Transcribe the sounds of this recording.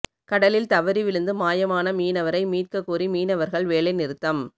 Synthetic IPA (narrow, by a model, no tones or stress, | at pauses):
kɐɽɐlɪlt̪ɐʋɐɾiʋɪɻɯnd̪ɯmaːjɐmaːnɐmiːnɐʋɐɾɐɪmiːrkɐkːuːrimiːnɐʋɐɾɣɐɭʋeːɭɐɪnɪɾɯt̪ːɐm